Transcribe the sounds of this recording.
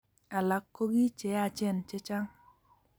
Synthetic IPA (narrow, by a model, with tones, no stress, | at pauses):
a˨la˨kːo˦ɡi˦t͡ʃɛ˨a˦˨t͡ʃɛ˦˨nt͡ʃɛ˦t͡ʃa˦ŋ